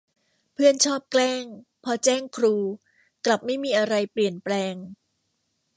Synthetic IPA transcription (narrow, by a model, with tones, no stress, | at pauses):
pʰɯ˥˩ənt͡ɕʰɔː˥˩p̚klɛː˥˩ŋ | pʰɔː˧t͡ɕɛː˥˩ŋkʰɾuː˧ | kla˨˩p̚ma˥˩jmiː˧ʔa˧ɾa˧jpli˨˩ənplɛː˧ŋ